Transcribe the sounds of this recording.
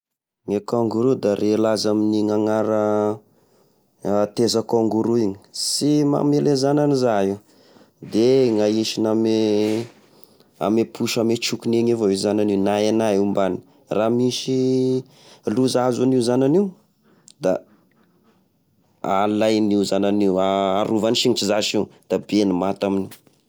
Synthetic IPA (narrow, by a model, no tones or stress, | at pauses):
ŋekaŋɡuɾud̪arʔelazaminiŋaŋaɾə | t̪ezəkoŋɡuɾuiɲi̥sima̰melezananizaɦi | d̪eŋaiʃiname | a̰mepʰuʃamet͡ʃukuneŋevaezananinaenaiumbanii | ramiʃi | luzazuniuzananiw | d̪a̰ | alajniuzananiuaːɾuvaniʃiŋit͡ʃizaʃiwd̪̥abenimat̪aminiw